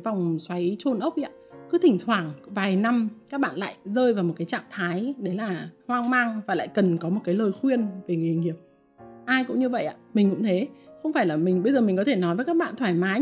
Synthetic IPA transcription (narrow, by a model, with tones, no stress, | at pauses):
va˨˩wŋ͡mswa˨˦jt͡ɕo˧nʔə˦˥k͡pp̚ʔi˧a̰˧˨kɨ˨˦t̪ʰï˧˩ŋ̟t̪ʰwaː˧˩ŋvaː˨˩jna˧mkaː˦˥k̚ɓa̰ː˧˨nla̰ː˧˨jzəː˧jvaː˨˩wmo˨˩t̚kaː˨˦t͡ɕa̰ː˧˨mt̪ʰaː˨˦jɗe˨˦laː˨˩hwaː˧ŋmaː˧ŋvaː˨˩la̰ː˧˨jkə˨˩nkɔ˨˦mo˨˩t̚kaː˨˦jləː˨˩jxwi˧ənve˨˩ŋ˨˩hi˨˩ŋːi˧˩əp̚ | ʔaː˧jkʊ̰˧˥ŋ͡mɲɨ˧və̰˧˨jʔa̰ː˧˨mï̟˨˩kʊ̰˧˥ŋ͡mt̪ʰe˨˦xə˧wŋ͡mfaː˧˩jlaː˨˩mï̟˨˩ɓə˧jzəː˨˩mi̟˨˩kɔ˨˦t̪ʰe˧˩nɔ˨˦jvəː˨˦jkaː˦˥k̚ɓa̰ː˧˨nt̪ʰwaː˧˩jmaː˨˦